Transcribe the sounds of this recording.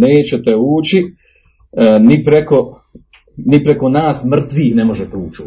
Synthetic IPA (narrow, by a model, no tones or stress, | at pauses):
neːt͡ɕet̪euːt͡ɕi | nipɾeko̞ | nipɾe̞ko̞naːsmr̩t̪ʋiːxne̞mo̞ʒet̪euːt͡ʃu